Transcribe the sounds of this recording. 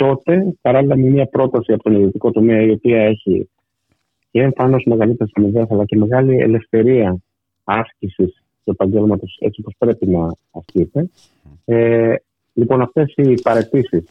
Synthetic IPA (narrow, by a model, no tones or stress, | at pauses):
t̪o̞t̪e̞pɐɾɐlilɐmimiɐpɾo̞t̪ɐsiɐpo̞t̪o̞niðio̞t̪iko̞t̪o̞me̞ɐio̞piɐe̞çḭ | ceeɱfɐno̞sme̞ɣɐlit̪e̞ɾisɐmiðesɐlɐce̞me̞ɣɐliḛle̞fθe̞ɾiɐ | ɐscisis | t̪ue̞pɐɲɟe̞lmɐt̪o̞se̞̰t͡sipo̞spɾe̞pinɐː | scit̪e̞ | lipo̞nɐft̪e̞sipɐɾe̞t̪isis